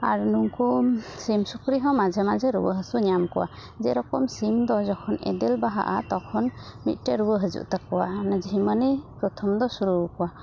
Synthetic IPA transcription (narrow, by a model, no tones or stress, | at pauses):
aɾnuŋkusimsukɾiɦɔ̃mad͡ʒʱɛmad͡ʒɛɾubə̰ɦəsuɲamkɔwa̰ | zɛɾɔkɔmsimd̪ɔzɔkʰɔnɛ̰d̪ɛlbaɦa̰ʔa̰t̪ɔkʰɔnmḭt̪̚ˀʈɛɾubəɦəzṵʔt̪akːɔwanad͡ʒiɦimanipɾɔt̪ʰɔmd̪ɔsuɾukɔwa